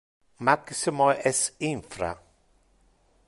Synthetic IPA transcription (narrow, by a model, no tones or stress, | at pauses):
maksimɔʔɛsinfɾa̰